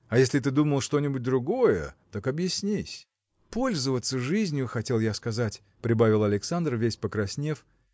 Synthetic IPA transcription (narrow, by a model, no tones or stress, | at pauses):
ɐjesʲlʲɪt̪̬ɨd̪uməlˠʂt̪o̞nʲɪbʊt̚ʲd̪ɾʊɡo̞jət̪akɐbjɪsʲnʲisʲ | po̞lʲzəvət̪sːəʐɨzʲnʲjʊxɐtʲe̞lˠjaskɐzatʲ | pɾʲɪbavʲɪlˠɐlʲɪksand̪rvʲesʲpəkɾɐsʲnʲe̞f